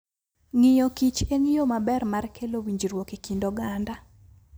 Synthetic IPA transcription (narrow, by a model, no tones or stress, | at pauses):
ŋɪjokit͡ʃeŋijomabɛrmarkʰelowiɲd͡ʒiɾwokekindɔɡanda